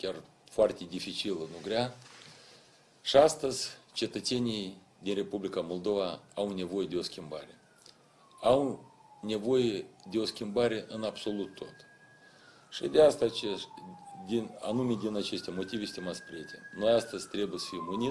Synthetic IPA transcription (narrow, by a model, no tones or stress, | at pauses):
kʲar | foart̪ʲe̞d̪ʲifit͡ʃilənuɡɾʲea | ʃiast̪əzʲt͡ʃe̞t̪ət̪se̞nʲij | d̪inre̞publʲikamo̞lˠd̪o̞vaawne̞vo̞je̞d̪eo̞skʲimbaɾʲe | aw | nʲe̞vo̞jed̪ʲeo̞skʲimbaɾʲe̞ʔɨnabso̞lˠut̪ʰːo̞t̪ | ʃid̪ʲeast̪at͡ʃe | d̪ina̰numʲed̪ʲinat͡ʃe̞st̪ʲemo̞t̪ivʲesʲt̪ʲimat̪sʲpɾʲeet̪ʰʲḛno̞jast̪əzʲt̪ɾe̞bujesə̥fijmuni